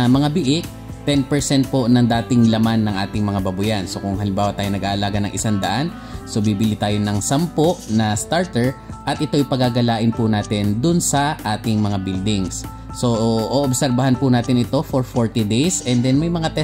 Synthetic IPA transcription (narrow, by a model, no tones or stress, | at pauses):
mɐŋabɪʔɪk̚ | t̪ɛnpɛɹsɛnt̪̚po̞nɐŋd̪aːt̪ɪŋlɐmanːɐŋʔaːt̪ɪŋmɐŋabɐbʊjanso̞kʊŋhɐlɪmbaːwɐt̪aːjonɐɡʔaʔɐlaːɡanɐ̰ŋʔɪsand̪ɐʔan | so̞bibɪlit̪aːjonɐŋsɐmpoʔnɐst̪aɹt̪ɛɹʔɐt̪̚ʔɪt̪o̞ʔjpɐɡaɡɐlaːʔɪnpʊnaːt̪ɪnd̪ʊnsɐʔaːt̪ɪŋmɐŋabild̪ɪŋs | so̞ʔʔoːʔobsɛɾbɐhanpʊnaːt̪ɪnʔɪt̪o̞foɹfoɹt̪id̪ejsɛnd̪ɛnmɐjmɐŋat̪ɛ